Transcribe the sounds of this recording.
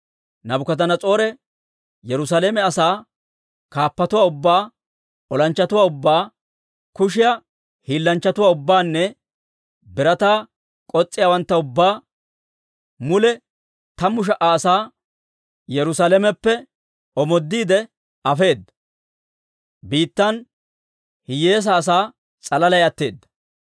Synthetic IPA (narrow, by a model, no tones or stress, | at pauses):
nɐbʊkɐt̪ɐnɐt͡sʼo̞ːɾɛ | jɛɾʊs̬aːleːmɛɐsaː | kaːpːɐt̪ʊwaːʊbːaː | ɔlɐnt͡ʃːɐt̪ʊwaːʊbːaː | kʊʃɪjɐ | hiːlːɐnt͡ʃːɐt̪ʊwaːʊbːaːnːɛ | bɪɾɐt̪aː | kʼɔt͡sʼːɪjaːwɐnt̪ːɐʊbːaː | mʊlɛ | t̪ɐmʊʃ̬ɐʔaːsaː | jɛɾʊsaːlɛmɛpːɛ | ɔmɔd̪ːiːd̪ɛ | ɐfe̞ːd̪ːɐ̥ | biːt̪ːɐn | hɪje̞ːs̬ɐːs̬aː | t͡sʼɐlɐlɐjɐt̪ːe̞ːd̪ːɐ̥